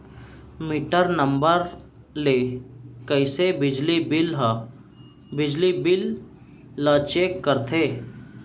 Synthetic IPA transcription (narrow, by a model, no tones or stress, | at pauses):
miːʈəɾnəmbəɾ | lekəɪsebɪd͡ʒlibɪlɦ | bɪd͡ʒlibɪlː | ət͡ʃeːkːəɾt̪ʰeː